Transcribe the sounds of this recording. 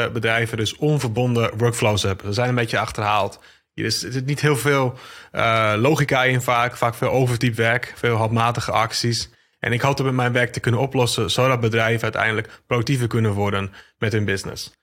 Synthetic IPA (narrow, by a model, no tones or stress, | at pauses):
əbədrɛjvədøsɔnvərbɔndəʋøɹkflowsɛpsəzɛjnənbejtjəɑxtərɦaːlˠt | dɪstɪtnithɪːlˠfɪːlˠəloːwxikaɪnfaːkfaːkfɪːlˠowvərtipʋɛrkfɪːlˠɦɔlˠpmaːtəɣəʔɑksis | ʔɛ̰nɪkhɔlˠtɔtmɛtmɛjnʋɛrk̚təkønənoplɔsəsoːdɔt̚bədrɛjvəœɥtɛ̰jndələkprodk̚tivəkønənʋɔɹdənmɛthønbɪsnɪ̰s